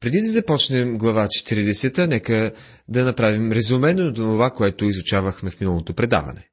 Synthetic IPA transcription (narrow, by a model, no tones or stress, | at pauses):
pɾɛd̪id̪ɐzɐpɔt͡ʃnɛmɡlˠɐvat͡ʃɛ̥t̪iɾid̪ɛsɛt̪ənɛkə | d̪ɐnɐpɾavimɾɛzumɛnot̪onovakoɛt̪ʊizʊt͡ʃavəxmɛfminəlˠot̪opɾɛd̪a̰vɐ̰nɛ̰